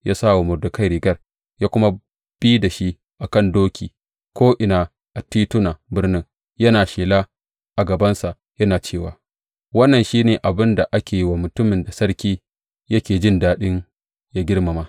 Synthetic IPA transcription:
jʔaː˦saː˦˨wa˨mʊ˨rdʊ˨kɐ˦jɾɪ˨ɡɐ˦r | jaː˦kʷʊ˦ma˦ | b̥iː˦da˨ʃi˦ʔ | ʔa˨kɐ˦˨ndoː˦kʲiː˨ | kʷoː˦ʔɪ˨naː˨ | ʔa˨tiː˦tʊ˦na˨bɪ˦rnɪ˦ŋ | jɐ˦naː˨ʃeː˨la˦ | ʔa˨ɡɐ˨bɐ˦nsa˨ʔ | jɐ˦naː˨t͡ʃeː˦˨waː˨ | wɐ˦nːɐ˨nʃiː˦neː˨ʔa˨bɪ˦nda˨ʔa˦kʲeː˨ji˦waː˨mʊ˨tʊ˦mɪ˨nda˨sɐ˦ɾkʲiː˦ | jɐ˦kʲeː˨d͡ʒɪ˦ndaː˦ɗɪ˦ŋ | ja˦ɡʲɪ˦rma˨maː˦

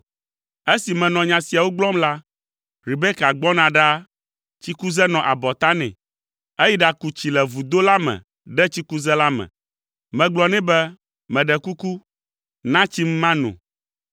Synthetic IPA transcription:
e˦si˨mɛ̃˨nɔ̃˨ɲã˨si˨a˨wo˦ɡ͡blɔ˦mla˦ | ɾi˨bɛ˦ka˨ɡ͡bɔ˦nã˨ɖa˦ | t͡ɕi˦ku˦zɛ˦nɔ̃˨ʔa˨bɔ˨t̪a˦nɛ̰̃˨ | e˦ji˦ɖa˨ku˨t͡ɕi˨lɛ˨vu˨d̪o˦la˦mɛ̰̃˨ | ɖɛ˦t͡ɕi˦ku˦zɛ˦la˦mɛ̰̃˨ | mɛ̃˨ɡ͡blɔ˨nɛ̃˦bɛ˦ | mɛ̃˨ɖɛ˨ku˦ku˦ | nã˦t͡ɕi˦m˦mã˦nṵ̃˨

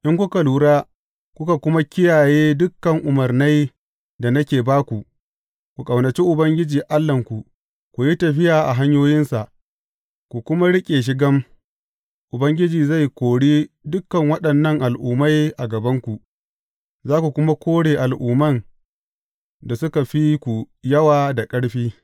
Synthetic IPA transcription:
ʔɪ˦ŋkʷʊ˦ka˨luː˦ɽaː˦ | kʷʊ˦ka˨kʷʊ˦ma˦kʲɪ˦jaː˨jeː˦dʊ˦kːɐ˨ŋʔʊ˨mɐ˨rna˦j | da˨nɐ˦kʲeː˨baː˦kʷu˨ | kʷu˨kʼɐ˨wnɐ˨t͡ʃi˦ʔʊ˨bɐ˦ŋɡʲɪ˦d͡ʒiː˨ʔa˦lːɐ˨ŋkʷu˨ | kʷu˨ji˦tɐ˨ɸɪ˦jaː˨ʔa˨ɦa˦ɲjoː˦jɪ˦nsa˨ʔ | kʷu˨kʷʊ˦ma˦ɽɪ˦kʲʼeː˨ʃ̬ɪ˦ɡɐ˦m | ʔʊ˨bɐ˦ŋɡʲɪ˦d͡ʒiː˨za˦˨jkʷoː˨ɽiː˦ | dʊ˦kːɐ˨ŋwɐ˦ɗɐ˨nːɐ˦˨ŋʔa˨lʔʊː˨ma˦jʔa˨ɡɐ˨bɐ˦ŋkʷu˨ʔ | zaː˦kʷu˨kʷʊ˦ma˦kʷʰoː˦ɽeː˨ʔa˨lʔuː˨mɐ˦n | da˨sʊ˦ka˨ɸi˦kʷu˨ | jɐ˦waː˨da˨kʼɐ˦ɽɸiː˦

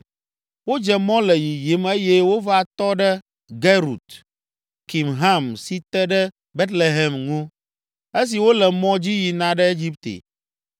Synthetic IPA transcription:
wo˦d͡ʒɛ˨mɔ̃˦lə˨ji˨ji˨˦me˦je˦wo˦va˨t̪ɔ˦ɖə˦ | ɡe˦ɾṵ˨t̪ | ki˨mɦa˦msi˨t̪ɛ˦ɖə˦ | be˦t̪le˨ɦɛ˨mŋũ˦ | e˦s̬i˨wo˦lɛ˨mɔ̃˦d͡ʑi˦ji˨nã˨ɖə˦e˦d͡ʑi˦p̚t̪ḛ˨

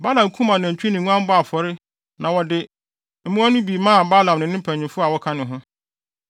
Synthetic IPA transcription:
ba˦lã˨m˨kʰũ˦mã˨nɪ̃˨ɲ̩˨t͡ɕᶣi˦nɪ̃˨ŋũ˦ã˦m˦bʊ˦a˨fɔ˨ɾɪ˦ | nã˨wɔ˨dɪ˨ | m̩˦mũ˦a˦nʊ̃˦bi˨˦mã˦˨ba˦lã˨mnɪ̃˨nɪ̃˦m̩˦pʰæ˨ɲ˨ĩ˨fʊ˦a˨wɔ˦kʰa˦nɪ̃˨ɦʊ̃˦

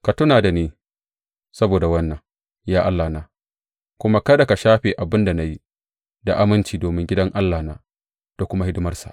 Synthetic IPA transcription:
ka˨tʊ˦naː˨da˨neː˦ | sɐ˦boː˨da˨wɐ˦nːɐ˨ŋ | jaː˦ʔa˦lːaː˨naː˨ | kʷʊ˦ma˦kɐ˦da˨ka˨ʃaː˦ɸeː˨ʔa˨bɪ˦nda˨na˦ji˦ | da˨ʔa˦mɪ˦nt͡ʃiː˨doː˨mɪ˦ŋɡʲɪ˦dɐ˦ŋʔa˦lːaː˨naː˦ | d̥a˨kʷʊ˦ma˦hɪ˦dɪ˦mɐ˦rsḁ̰˨ʔ

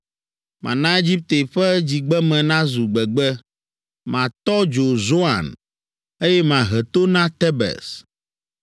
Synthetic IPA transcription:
mã̰˨nã˦e˦d͡ʑi˦p̚t̪e˨ɸɛ˦d͡ʑi˨ɡ͡bɛ˦mɛ̃˨nã˦zu˨ɡ͡bɛ˨ɡ͡bɛ˦ | mã˨t̪ɔ˦d͡ʒo˨zo˦ã̰˨n | e˦jɛ˦mã˨ɦɛ˨t̪o˦nã˦t̪ɛ˦bɛ̰˨s

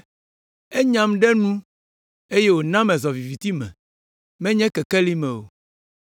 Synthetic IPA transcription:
e˦ɲã˨mɖɛ˦nũ˦ | e˦je˦wo˨nã˦mɛ̃˨zɔ˨vi˨vi˨t̪i˦mɛ̰̃˨ | mɛ̃˦ɲɛ̃˦kɛ˨kɛ˦li˦mɛ̃˨wo̰˨

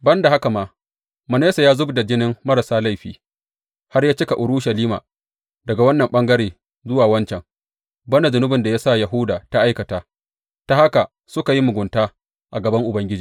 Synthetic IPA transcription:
bɐ˦nda˨ɦa˦ka˨maː˦ | mɐ˨neː˦sa˨jaː˦zʊ˦bda˨d͡ʒɪ˦nɪ˦mːmɐ˦ɾa˨saː˦la˦˨ɸiː˨ | ha˦rjaː˦t͡ʃɪ˦ka˨ʔʊ˨ɽʊː˦ʃɐ˨liː˦ma̰˨ | dɐ˨ɡa˨wɐ˦nːɐ˨mɓɐ˦ŋɡɐ˦ɾeː˨ | zʊ˦waː˨wɐ˦nt͡ʃɛ˨ŋ | bɐ˦na˨zʊ˨nʊ˦bɪ˨nda˨ja˦sa˦˨jɐ˨ɦʊ˦daː˨ta˦ʔa˦jkɐ˨taː˨ | ta˨ha˦ka˨ | sʊ˦ka˨ji˦mʊ˨ɡʷʊ˨ntaː˦ | ʔa˨ɡɐ˨bɐ˦ŋʔʊ˨bɐ˦ŋɡʲɪ˦d͡ʒiː˨

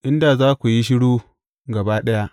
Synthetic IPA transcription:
ʔɪ˦nda˨zaː˦kʷu˨ji˦ʃ̬ɪ˦ɽuː˦ | ɡɐ˨baː˦ɗɐ˦ja˦ʔ

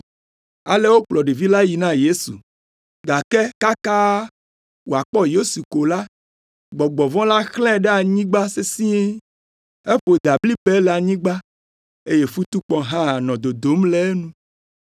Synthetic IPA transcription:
a̰˨le˦wo˦k͡plɔ˨ɖi˨vi˦la˦ji˨nã˦je˦sṵ˨ | ɡa˨ke˦ka˦ka˦ | wo˨a˨k͡pɔ˦jo˦su˨ko˨la˦ | ɡ͡bɔ˨ɡ͡bɔ˨vɔ̃˦la˦xlɛ̃˦ɖɛ˦a˨ɲĩ˦ɡ͡ba˦se˦si˦e˦ | e˦ɸo˨d̪a˨bli˦be˦lɛ˨a˨ɲĩ˦ɡ͡ba˦ | e˦je˦fu˦t̪u˦k͡pɔ˨ɦã˦a˨nɔ̃˨d̪o˨d̪o˨˦mlɛ˦e˦nũ˦

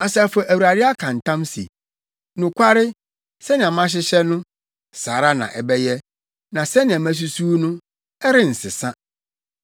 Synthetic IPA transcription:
a˨sa˨fɛ˨ʔæ˨wu˨ɾa˨ɾɪ˦a˦kʰã˨n˨tʰã˦msḭ˨ | nũ˨kʷʰa˦ɾɪ˦ | sɛ˦nɪ̃˨ã˨mã˦ɕ̬ɪ˦ɕɛ˦nʊ̃˦ | saː˨ɾa˦nã̰˨ʔɛ˨bɛ˦jɛ˦ | nã˨sɛ˦nɪ̃˨ã˨mæ̃˦s̬u˦suː˦nʊ̃˦ | ɛ˦ɾɪ˦n̩˨sɪ˨sã˦

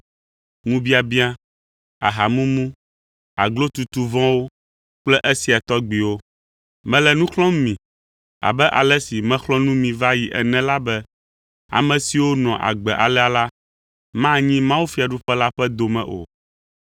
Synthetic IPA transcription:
ŋũ˦bi˦a˨bi˦a˦ | a˨ɦa˨mũ˦mũ˦ | a̰˨ɡlo˦t̪u˨t̪u˨vɔ̃˦wo˦ | k͡plɛ˦ʔe˦si˨a˨t̪ɔ˦ɡ͡bi˨wo˦ | mɛ̃˦lɛ˨nũ˦xlɔ̃˦m˦mĩ˨ | a̰˨bɛ˦ʔa̰˨lɛ˦si˨mɛ̃˦xlɔ̃˦nũ˦mĩ˨va˦ji˨ʔɛ̰˨nɛ̃˦la˦bɛ˦ | a̰˨mɛ̃˨si˨wo˦nɔ̃˨ʔa̰˨ɡ͡bɛ˨ʔa˨lɛ˦a˨la˦ | mã˦˨ɲĩ˦mã˦wu˦fi˦a˨ɖu˦ɸɛ˦la˦ɸɛ˦d̪o˨mɛ̰̃˨ʔo̰˨

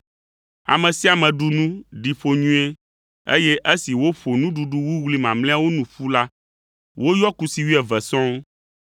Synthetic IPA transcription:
a̰˨mɛ̃˨si˦a˨mɛ̃˨ɖu˨nũ˦ɖi˨ɸo˨ɲũ˦e˦ | ḛ˦jɛ˦ʔe˦si˨wo˦ɸo˨nũ˦ɖu˨ɖu˦wu˦wli˦mã˨mlɛ̃˦a˦wo˦nũ˨ɸu˦la˦ | wo˦jɔ˦ku˦si˨wi˦ɛ˨vɛ˨sɔ̃˦m

